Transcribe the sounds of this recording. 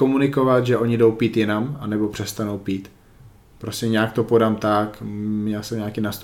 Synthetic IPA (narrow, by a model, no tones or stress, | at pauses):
omunɪkovat̪ʒɛʔo̞ɲɪdo̞wpiːt̪jɪnamanɛbo̞pr̝̥ɛst̪anowpiːt̪ | pɾo̞scʲɛɲaːk̚t̪o̞po̞damt̪akmɲɛsɛmɲaːkɪnast̪u